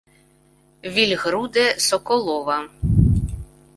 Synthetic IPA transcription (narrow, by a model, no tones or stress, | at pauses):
ʋʲilʲɣɾud̪ɛsɔkɔlˠɔʋɐ